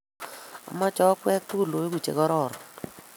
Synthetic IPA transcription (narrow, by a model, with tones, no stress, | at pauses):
a̰˨ma˦t͡ʃɔ˦kwɛ˦k̚t̪u˦lo˨e˦ɡu˨t͡ʃḛ˨ɡɔ˦ɾɔ˦˨ɾɔ˨